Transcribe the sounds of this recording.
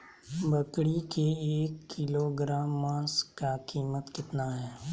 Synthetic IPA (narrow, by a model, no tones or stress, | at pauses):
bɐkɽikeeːkːɪloɡɾaːmːãːskakiːmət̪kɪt̪naɦɛː